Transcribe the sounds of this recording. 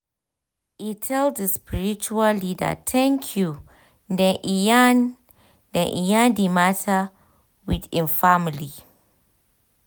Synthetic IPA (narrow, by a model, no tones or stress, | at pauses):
itʰɛlddəspiɹit͡ʃuallida̰tʰɛ̃ŋkʰju | dɛ̃ʔijan | dɛ̃ʔḭjãdimatʰa | widĩnfamili